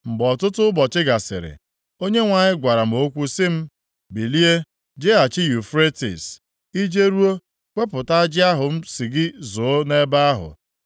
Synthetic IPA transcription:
ŋ͡m̩˨ɡ͡bɔ˨tʊ˦tʊ˦bɔ˨t͡ʃɪ˦ɡa˨sɪ̰˨ɾɪ̰˨ | o˦ɲe˦ŋʷa˨ɲɪ˦ɡʷa˨ɾa˨m̩˨o˦kʷu˦sɪ˦m̩˦ | bi˨li˦e˦ | d͡ʒe˦a˨t͡ʃɪ˦ju˨fɾe˦tḭ˨s | i˦d͡ʒe˦ɾu˦o˦ | kʷe˦pʊ˨ta˦a˦d͡ʒɪ˦a˦ɦʊ˨m̩˦si˨ɡɪ˦zʊ˨o˦ne˦ba˦a˦ɦʊ̰˨

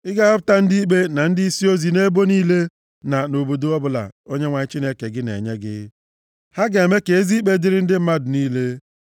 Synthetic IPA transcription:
ɪ˦ɡa˦ɔ˦pʊ˦ta˦n̩˦di˦i˦k͡pe˦na˨n̩˦dɪ˦i˦si˦o˦zi˨ne˦bo˦niː˦le˦ | na˨no˨bo˨do˦ɔ˦bʊ˦la̰˨o˦ɲe˦ŋʷa˨ɲɪ˦t͡ʃi˦ne˦ke˨ɡɪ˦nḛ˨ɲe˦ɡɪ̰˦ | ha˦ɡa˨e˨me˦ke˨e˦zi˦k͡pe˦dɪ˦ɾɪ˦n̩˦dɪ˦m̩˦ma˦dʊ˨niː˦le˦

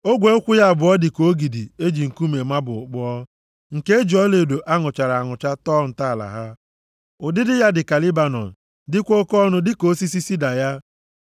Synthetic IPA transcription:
o˦ɡʷe˨˦kʷʊ˦ja˦˨bʊ˨ɔ˦dɪ˨ko˨˦ɡi˨di˨e˦d͡ʒi˨ŋ̩˨ku˦me˨ma˦bʊ˨ʊ˨k͡pɔ˦ɔ˦ | ŋ̩˨ke˦e˦d͡ʒi˨ɔ˦le˨do˨ʔa˦ŋʊ˨t͡ʃa˨ɾa˨a˨ŋʊ˨t͡ʃa˦tɔ˦˨n̩˨ta˦a˨la̰˨ɦa˦ | ʊ˨dɪ˦dɪ˦ja˦dɪ˨ka˨li˦ba˨nɔ̰˨n̩˨ | dɪ˦kʷo˦kɔ˦nʊ˦dɪ˦ko˨˦si˦si˦si˦da˨ja˦

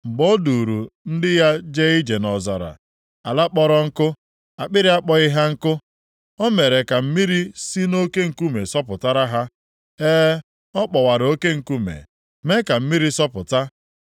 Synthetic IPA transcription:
ŋ͡m̩˨ɡ͡bɔ˦du˨ɾu˨n̩˦dɪ˦ja˦d͡ʒe˦i˦d͡ʒe˨nɔ˨za̰˨ɾa̰˨ | a˨la˦k͡pɔ˦ɾɔ˦ŋ̩˦kʊ˦ | a˨k͡pɪ˦ɾɪ˦a˦k͡pɔ˦ɪ˦ɦa˦ŋ̩˦kʊ˦ | ɔ˦me˨ɾe˨ka˨m̩˦mi˦ɾi˦si˦no˦ke˦ŋ̩˨ku˦me˨sɔ˦pʊ˨ta˦ɾa˦ɦa˦ | eː˦ | ɔ˦k͡pɔ˨wa˨ɾo˦ke˦ŋ̩˨ku˦mḛ˨ | me˦ka˨m̩˦mi˦ɾi˦sɔ˦pʊ˨ta˦

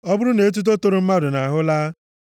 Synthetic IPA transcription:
ɔ˦bʊ˦ɾʊ˦ne˨˦t̬u˦t̬o˦to˦ɾo˨m̩˦ma˦dʊ˨na˨ɦʊ˦laː˦

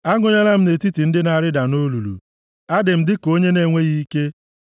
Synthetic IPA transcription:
a˦ɡʷʊ˨ɲe˦la˦m̩˦ne˨ti˦ti˨n̩˦dɪ˦na˨ɾɪ˦da˨no˦lu˨lṵ˨ | a˦dɪ˨m̩˨dɪ˦ko˦ɲe˦ne˦ŋʷe˦ɣi˦ke˦

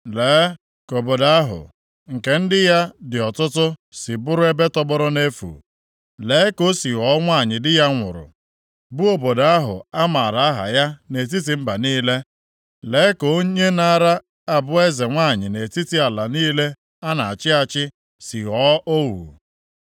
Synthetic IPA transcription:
leː˨˦ | ko˨bo˨da˦a˦ɦʊ̰˨ | ŋ̩˨ke˨n̩˦dɪ˦ja˦dɪ˨ɔ˨tʊ˦tʊ˦sɪ˨bʊ˦ɾʊ˦e˦be˦tɔ˦bɔ˦ɾʊ˦ne˦fṵ˨ | le˨˦ko˦si˨ɣɔ˦ŋʷa˦˨ɲɪ˨dɪ˦ja˦ŋʷʊ̰˨ɾʊ̰˨ | bu˦o˨bo˨da˨a˦ɦʊ̰˨a˦ma˨ɾa˨a˦ɦa̰˨ja˦ne˨t̬i˦t̬i˨m̩˦ba˨niː˦le˦ | leː˨˦ko˨˦ɲe˦na˦˨ɾa˦ | a˦bʊ˦e˦ze˨ŋʷa˦˨ɲɪ̰˨ne˨ti˦ti˦a˨la˨niː˦le˦ | a˦na˨a˨t͡ʃɪ˦a˨t͡ʃɪ˦ | si˨ɦɔ˦o˦wṵ˨

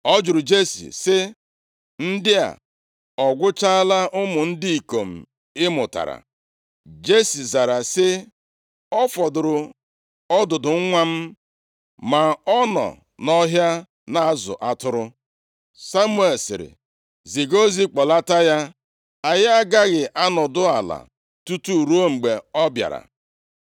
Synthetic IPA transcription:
ɔ˦d͡ʒʊ˨ɾʊ˨d͡ʒe˦sḭ˨sɪ˦ | n̩˦dɪ˦a̰˨ | ɔ˨ɡʷʊ˦t͡ʃa˦la˦ʔʊ˦mʊ˨n̩˦di˦i˨ko˨m̩˨ | ɪ˦mʊ˨ta̰˨ɾa̰˨ | d͡ʒe˦si˨za˨ɾa˨sɪ˦ | ɔ˦fɔ˨dʊ˨ɾʊ˨ | ɔ˦dʊ˨dʊ˨ŋ̩˦ŋʷa˦m̩˦ | ma˨ɔ˦nɔ̰˨ | nɔ˦ɦja˦ | na˨a˦zʊ̰˨ʔa˦tʊ˦ɾʊ˦ | sa˦mu˦e˨lsɪ̰˨ɾɪ̰˨ | zi˨ɡo˦zi˦k͡pɔ˨la˦ta˦ja˦ | a˨ja˦a˦ɡa˦ɣɪ˨ʔa˦nɔ˨dʊ˦a˨la̰˨ | tu˦tu˦˨ɾu˦o˦ŋ͡m̩˨ɡ͡be˨ɔ˦bja̰˨ɾa̰˨

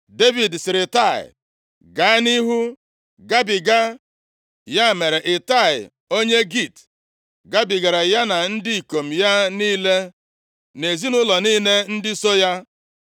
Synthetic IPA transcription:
de˦vi˨dsɪ˨ɾɪ˨ta˦˨ɪ̰˨ | ɡa˨˦ɪ˦ni˦ɦu˦ | ɡa˦bi˨ɡa˦ | ja˦˨me˨ɾe˨ʔɪ˨ta˦˨ɪ˨ | o˦ɲe˦ɡi˦˨t | ɡa˦bi˨ɡa˨ɾa˨ja˦na˨n̩˦di˦i˨ko˨m̩˨ja˦niː˦le˦ | ne˨zi˦nʊ˦lɔ˨niː˦ne˦n̩˦dɪ˦so˦ja˦

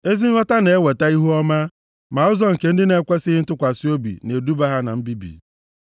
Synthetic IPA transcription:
e˦zi˦ŋ̩˦ɔ˦ta˦ne˨e˦we˨ta˦i˦ɦu˦ɔ˦ma˦ | ma˨ʊ˦zɔ˦ŋ̩˨ke˦n̩˦dɪ˦ne˨kʷe˦sɪ˦ɦɪ˦tʊ˦kʷa˨si˦o˦bḭ˨ne˨du˦ba˦ɦa˦na̰˨m̩˦bi˦bḭ˨

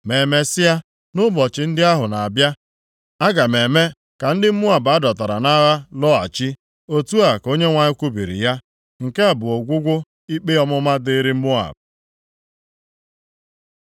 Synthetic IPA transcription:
me˨me˦sɪ˦a˦ | nʊ˦bɔ˨t͡ʃɪ˨n̩˦dɪ˦a˦ɦʊ˨na˨a˨bja˦ | a˦ɡa˨me˨me˦ | ka˨n̩˦dɪ˦m̩˦mu˦a˨ba˦dɔ˨ta˨ɾa̰˨na˦ɣa˦lɔ˦a̰˨t͡ʃi˦ | o˦tu˦a˨ko˦ɲe˦ŋʷa˨ɲɪ˦kʷu˦bḭ˨ɾḭ˨ja˦ | ŋ̩˨ke˦a˨bʊ˨o˨ɡʷʊ˦ɡʷʊ˦ | i˦k͡pe˦ɔ˦mʊ˦ma˦de˦ɾɪ˦m̩˦mu˦a̰˨b̚

